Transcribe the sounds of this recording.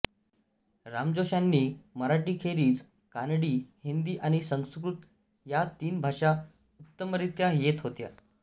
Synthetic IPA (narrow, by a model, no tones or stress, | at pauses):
ɾamd͡ʑoɕanːiːməɾaʈiːkʰeɾiːd͡z | kanɽiːhind̪iːʔañisəŋskɾut̪ | jat̪iːnbʱaʂa | ut̪ːəməɾit̪jajet̪ɦot̪ja̰